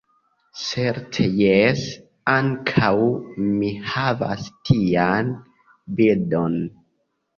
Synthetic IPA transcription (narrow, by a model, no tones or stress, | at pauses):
seɾtʰejes | aŋkʰawmihava̰stʰian | bildo̞n